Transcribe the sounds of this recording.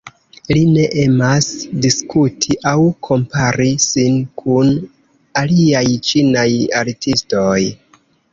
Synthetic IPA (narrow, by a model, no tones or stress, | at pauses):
line̞ʔe̞masdiskutʰiʔawkʰo̞mpaɾisinkʰun | aliajt͡ʃinajaɾtisto̞j